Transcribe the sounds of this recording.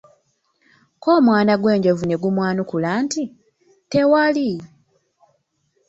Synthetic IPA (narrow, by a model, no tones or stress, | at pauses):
ko̞ːmwaːnaɡwe̞ːɲɟo̞vune̞ɡumwaːnukulaːnti | te̞wali